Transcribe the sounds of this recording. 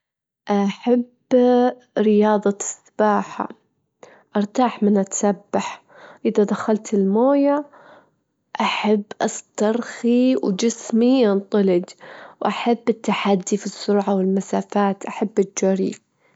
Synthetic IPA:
ʔaħab | ɾɪjɑːðˤɑsḁb̥aːħa̰ | ʔɑɾˤt̪aːħmɪnʔat̪sabːaħ | ʔɪðad̪axalt̪ɪlmoːja | ʔaħabːʔɑst̪ɑɾˤxiwd͡ʒɪsmijɑnt̪ˤɑlɪd͡ʒwʔaħabːɪt̪ːaħad̪ːifisːʊɾˤʕawɪlmasaːfaːt̪ʔaħabːɪd͡ʒaɾḭ

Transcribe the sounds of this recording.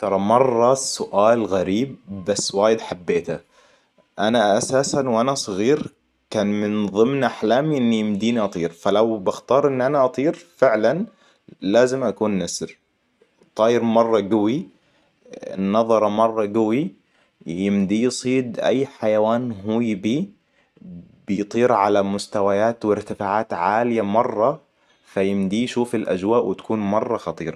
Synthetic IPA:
t̪ɑɾˤɑmɑrˤːɑsʊʔaːlɣaɾiːb̚ːasːwaːjɪd̪ħabːeːt̪a | ʔanaʔasaːsanwʔanasˤɨɣiːɾ | kaːnmɪnðˤɨmnʔaħlaːmiʔɪnːijɪmd̪iːniʔɑt̪ˤiːɾfalawbaxt̪ɑːɾˤʔɪnːʔanaʔɑt̪ˤiːɾfɪʕlan | laːzɪmʔakuːnːasɾ | t̪ˤɑːjɪɾmɑrˤːɑɡawi | nɑðˤɑɾˤɑmɑrˤːɑɡawi | jɪmd̪ijsˤiːd̪ʔa̰jːħajawaːnɦujbiː | bɪjt̪ˤiːɾʕalamʊst̪awajaːt̪wɪɾt̪ɪfaːʕaːt̪ʕaːlɪjamɑrˤːɑ | fajɪmd̪ijʃuːfalʔa̰d͡ʒwaːʔwɪt̪ḁkuːnmɑrˤːɑxɑt̪ˤḭːɾˤɑ

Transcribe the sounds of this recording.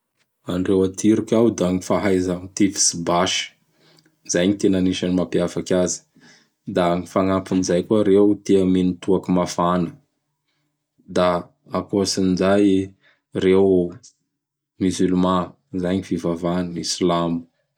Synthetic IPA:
anɖ͡ʐewat̪ʰiɾukʲawd̪aŋifaɦajzaŋit̪ifi̥sibaʃə̥ | z̥ajɲit̪enaniʃanimapiafakʲazi̥ | d̪aŋifaŋapinizajkuaɾewt̪eəmenit̪uakumafanə̥ | d̪a | akosinizaj | rew | myzulmã | zaɲiv̥ivavanisilambu̥

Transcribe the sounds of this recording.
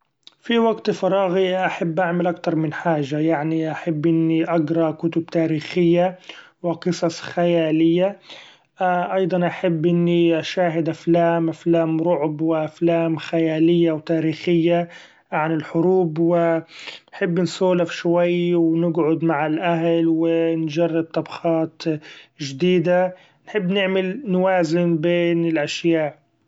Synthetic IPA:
fiwaɡt̪fɑɾˤɑːɣiʔaħabːʔaʕmalʔak̚t̪ɑɾˤmɪnħaːʒajaʕniʔaħabːʔɪnːiʔaɡɾˤɑkʊt̪ʊb̚t̪aːɾiːxɪjːawɪqɨsˤɑsˤxajaːlɪjːa | ʔɑjd̪ˤɑnʔaħabːʔɪnːiʔaʃaːɦɪd̪ʔaflaːmʔaflaːmɾʊʕbwɪʔaflaːmxajaːlɪjːawt̪aːɾiːxɪjːa | ʕanɪlħʊɾuːbwɪnħɪbːnsoːlafʃwajwnɪɡʕʊd̪maʕalʔaɦlwɪnd͡ʒɑrˤːɪb̪̚t̪ˤɑbxɑːt̪ʒd̪iːd̪a | nħɪbːnɪʕmɪlnwaːzɪnbeːnɪlʔaʃjaːʔ

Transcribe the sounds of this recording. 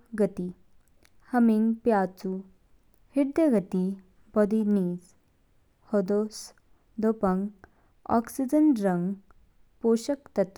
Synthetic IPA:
ɡət̪i | həmiŋɡpjat͡su | hiɽd̪əɡət̪i | bɔd̪iniːd͡z | hod̪os | d̪opəŋɡ | ɔ̰ksid͡ʑənɖɾəŋɡ | poɕəkt̪ɐt̪u

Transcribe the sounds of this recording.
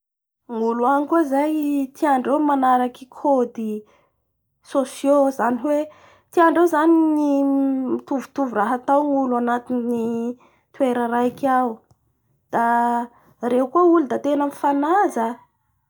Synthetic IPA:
ŋuluanikuzajt̪iaɳɖ͡ʐewmanaɾakikʰod̪i | sosjozaniwe | t̪iaɳɖ͡ʐewzaninimit̪uvut̪uvuraɦat̪awŋuluanat̪inni | t̪ueɾəɾajkaw | d̪̥a | reɦukuəulud̪at̪enənifanaza

